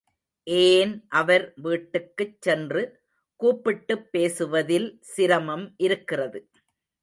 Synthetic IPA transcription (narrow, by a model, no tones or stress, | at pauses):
ʔeːnʔɐʋɐɾʋiːʈːɯkːɯt͡ʃːɛndrɯ | kuːpːɪʈːɯpːeːsɯʋɐðɪlsɪɾɐmɐmʔɪɾɯkːɪrɐðɯ